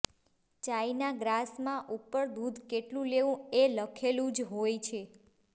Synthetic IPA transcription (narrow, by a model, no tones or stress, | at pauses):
t͡ʃainaɡɾasmãʔupːəɾd̪ud̪ʱkeʈlũleʋũeləkʰelũd͡ʒɦojt͡ʃʰe